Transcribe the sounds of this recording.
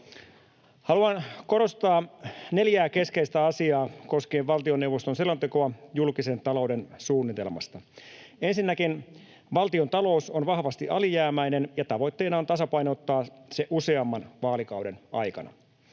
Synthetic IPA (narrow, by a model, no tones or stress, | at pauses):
hɑluɑnko̞ɾo̞st̪ɑːne̞ljæːke̞skeist̪æɑsiɑːko̞skeːʋʋɑlt̪io̞nːe̞wʋost̪o̞nselont̪ekoɑjulkise̞nt̪ɑlo̞ude̞nsuːnːit̪e̞̰lmɑ̰st̪ɑ | ensinːækin | ʋɑlt̪io̞nt̪ɑlo̞usonʋɑhʋɑst̪iʔɑlijæːmæinenjɑt̪ɑʋo̞jt̪ːe̞ːnɑont̪ɑsɑpɑjno̞t̪ːɑːseʔuse̞ɑmːɑnʋɑːlikɑwde̞nɑ̰jkɑ̰nɑ̰